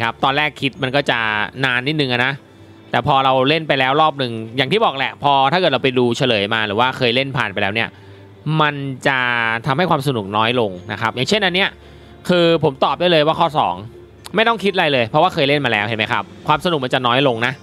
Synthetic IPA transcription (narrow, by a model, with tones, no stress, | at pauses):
kʰa˦˥p̚t̪ɔː˧lɾɛː˥˩kʰːi˦˥t̪̚ma˧nkɔː˥˩t͡ɕa˨˩naː˧nːiː˥˩nɯ˨ŋʔa˨˩na˦˥ | t̪ɛː˨˩pʰɔː˧ɾa˧wle˥˩npa˧jlɛː˦˥wɾɔː˥˩p̚nɯ˨˩ŋjaː˨˩ŋt̪ʰiː˥˩bɔː˨˩k̚lɛ˨˩pʰɔː˧t̪ʰa˥˩kɤ˨˩t̚ɾa˧pa˧jduː˧t͡ɕʰa˧lɤː˩˦jmaː˧ɾɯː˩˦waː˥˩kʰɤː˧jle˥˩npʰa̰ː˨˩npa˧jlɛː˦˥wni˥˩ɐ | ma˧nt͡ɕa˨˩t̪ʰa˧mha˥˩jkwaː˧msa˧nu˨˩k̚nɔː˦˥jlo˧ŋna̰˦˥kʰa˦˥p̚jaː˨˩ŋt͡ɕʰe˥˩nːʔa˧nːi˥˩ɐ | kʰɯː˧pʰo˩˦mt̪ɔː˨˩p̚daː˥˩jlɤː˧jwaː˥˩kʰɔː˥˩sɔ̰ː˩˦ŋ | ma˥˩jt̪ɔ˥˩ŋkʰi˦˥t̪̚ʔɾa˧jlɤː˧jpʰɾɔ˦˥waː˥˩xʰɤː˧jle˥˩nmaː˧lɛː˦˥whɦe˨˦ma˦jkʰa̰˦˥p̚kʰwaː˧msa˧nu˨˩k̚ma˧nt͡ɕa˨˩nɔː˦˥jlo˧ŋna˦˥